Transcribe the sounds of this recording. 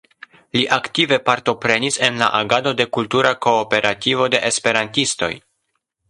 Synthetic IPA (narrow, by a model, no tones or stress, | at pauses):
liʔaktive̞paɾto̞pɾe̞nise̞nla̰ʔaɡado̞de̞kultuɾako̞ːpe̞ɾativo̞de̞ʔespe̞ɾantisto̞̰j